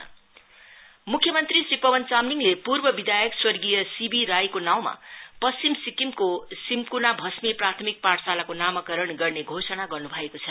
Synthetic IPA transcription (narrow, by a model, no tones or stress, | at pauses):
mukʰjʌmʌnt̪risripʌbʌnt͡samniŋlepurbʌbid̪ʱajʌkswʌrɡijʌsibiɾajkonaw̃ma̰pʌst͡simsikimkosimkunabʱʌsmeprat̪ʰʌmik̚paʈsalakonamʌkʌɾʌɳɡʌrneɡʱosʌnaɡʌrnubʱʌekot͡sʰʌ